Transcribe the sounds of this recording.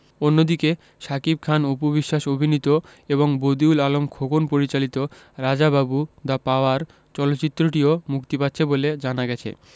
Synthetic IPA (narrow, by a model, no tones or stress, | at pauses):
onːod̪ike | ʃakib̚kʰanupobiʃːaʃobʱinit̪oeβoŋbod̪iulalomkʰokonpoɾit͡ɕalit̪o | ɾad͡ʑababud̪apaoaɾ | t͡ɕɔlotːɕit̪ːɾoʈiomukt̪ipat̪ːɕʰeboled͡ʑanaɡɛt͡ɕʰḛ